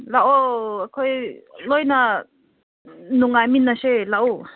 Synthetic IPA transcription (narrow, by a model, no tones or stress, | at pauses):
laʔoakʰojlɔjna | nuŋaminaʃelaʔu